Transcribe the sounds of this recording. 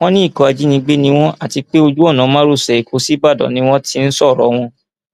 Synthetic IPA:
w̃ɔ̃˦nĩ˦i˦˨kɔ˧a˧d͡ʒi˦nĩ˧ɡ͡be˦nĩ˦w̃ɔ̃˦ʔa˦˨ti˨˧k͡pe˦o˧d͡ʒu˦ɔ˦˨nã˨˦mã˦ɾu˦˨sɛ˨i˨ko˨˦si˦ba˦˨dɔ̰˨nĩ˨˦w̃ɔ̃˦ti˧n̩˦sɔ˦˨ɾɔ̰˨˦w̃ɔ̃˧

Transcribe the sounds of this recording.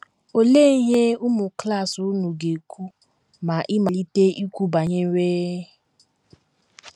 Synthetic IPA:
o˨le˦i˦ɦe˦ʊ˦mʊ˨kla˦˨su˨˦nu˨ɡe˨kʷu˦ | ma˨ʔɪ˦ma˨li˦te˦ʔi˦kʷu˦ba˨ɲe˦ɾeː˦

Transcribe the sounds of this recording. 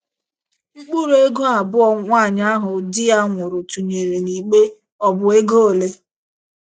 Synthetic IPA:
ŋ͡m̩˦k͡pu˦ɾe˦ɡo˦a˨bʊ˦ɔ˨ŋʷa˦˨ɲa˦ɦʊ˨dɪ˦a˦ŋʷʊ˨ɾʊ˨tu˨ɲe˨ɾe˨ni˨k͡pe˦ | ɔ˦bʊ˨e˦ɡoː˦˨le˦

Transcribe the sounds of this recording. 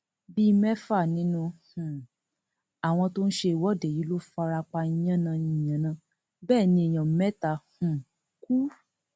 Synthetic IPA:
bi˦˧mɛ˦fa˦˨nĩ˦nũ˧hũ˨ | a˨w̃ɔ̃˧to˦n̩˦ʃe˧i˨wɔ˨˦˨de˨ji˨˦lo˦fa˧ɾa˧k͡pa˧i˧j̃ã˦nã˧ĩ˧˦˨jã˨˦nã˧ | bɛː˦˨nĩ˧e˨j̃ã˨m˨mɛ˦ta˧˨hũ˨ | ku˦

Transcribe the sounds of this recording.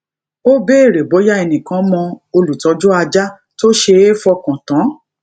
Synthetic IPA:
o˦be˦e˦˨ɾe˨bo˨˦ja˦e˧nĩ˨kã˨˦mɔ̃˧o˧lu˨tɔ˨˦d͡ʒu˦a˧d͡ʒa˦ | to˦ʃe˧e˦fɔ˧kã˨tã˨˦

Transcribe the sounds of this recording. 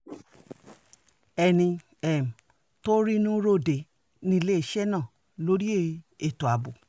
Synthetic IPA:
ɛ˧nĩ˧ | ɛ˨m̩˨ | to˦ɾi˦nũ˦ɾo˦de˨ | nĩ˦˧le˦i˦˨ʃɛ˦nã˦˨ | lo˨˦ɾi˦e˦˨˧e˨to˨a˨bo˨

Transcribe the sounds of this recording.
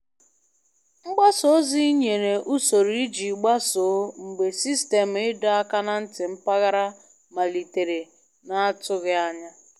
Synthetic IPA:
ŋ͡m̩˦ɡ͡ba˦so˨˦zi˦ɲe˨ɾe˨ʔu˦so˨ɾi˦d͡ʒi˨ɡ͡ba˦so˨˦ŋ͡m̩˨ɡ͡be˨si˦ste˨m̩˨ɪ˦da˦a˦ka˦na˦n̩˦tɪ˨m̩˦pa˦ɣa˦ɾa˦ | ma˨li˨te˨ɾe˨ | na˨a˦tʊ˦ɣɪ˦a˦ɲa˦

